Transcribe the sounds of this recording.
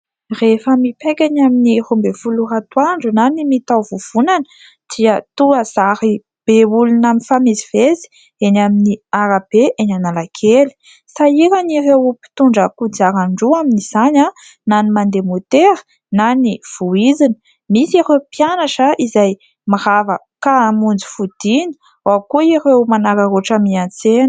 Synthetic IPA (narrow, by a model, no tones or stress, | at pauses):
refəmipekʲanaminirumbefulurat̪waɳɖ͡ʐunanimit̪awvuv̥unanə̥ | d̪̥iət̪uəz̥aɾi | b̥eulunaminfamizivezi̥ | enaminiaɾab̥eʔenanalakʰeli̥ | saiɾanirewpi̥t̪uɳɖ͡ʐəkud͡zaɾaɳɖ͡ʐuaminiz̥ana | nanimand̪emot̪eɾə̥ | naniv̥uid͡zinə̥ | misaɾewpjanaʈ͡ʂəizaj | maɾavə | kamund͡zu̥fud̪̥ini̥ | wakuirewmanaɾaɾoʈ͡ʂamiant͡sen